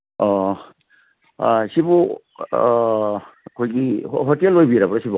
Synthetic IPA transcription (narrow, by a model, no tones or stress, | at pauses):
ɔ | sibu | kʰojɡiɦotelːojbiɾabɾasibu